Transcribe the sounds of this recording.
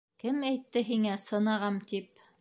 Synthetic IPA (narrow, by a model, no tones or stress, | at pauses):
kɘmæjt̪ːɘɦiŋæsɤ̆nɑʁɑmt̪ip̚